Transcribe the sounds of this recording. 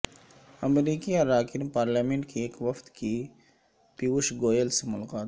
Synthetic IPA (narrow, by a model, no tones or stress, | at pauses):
ɐmɾiːkiaɾaːkɪnpaːɾlaːmẽɳʈ̚kieːkʋɐft̪ki | piʊʃɡoːjəlsemʊlaqaːt̪